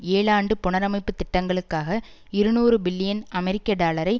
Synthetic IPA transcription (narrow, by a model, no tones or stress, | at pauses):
eːɭaːɳɖɯpʊɳɐɾɐmɐɪpːɯt̪ːɪʈːɐŋɡɐɭɯkːaːɣɐ | ɪɾɯnuːɾɯbɪlːɪjɐnɐmɛɾɪkːɐɖaːlɐɾɐɪ